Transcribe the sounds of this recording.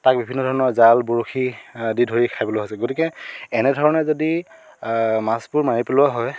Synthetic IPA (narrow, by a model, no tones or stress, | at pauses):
tak̚bibʱinːɔdʱɔɹɔnɔɹzalbuɹoxʰididʱɦojikʰajbɔloɦojsɛɡotikɛɛnɛdʱɔɹɔnɛzodi | maspʊɹmaɹipelʊaɦɔj